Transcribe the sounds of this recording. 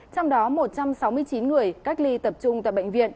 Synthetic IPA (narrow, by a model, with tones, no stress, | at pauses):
t͡ɕɔ˧wŋ͡mɗɔ˨˦mo˨˩t̚t͡ɕa˧msa˨˦wmɨ˧əjt͡ɕi˨˦nŋɨ˨˩əjka˦˥k̟̚li˧t̪ə˨˩p̚t͡ɕʊ˧ŋ͡mt̪a̰ː˧˨jɓa̰˧jŋ̟vḭ˧˨ən